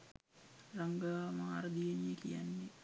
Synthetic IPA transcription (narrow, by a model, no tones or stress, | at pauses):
raŋɡamaŋa̰rd̪ieɲekḭja̰nːi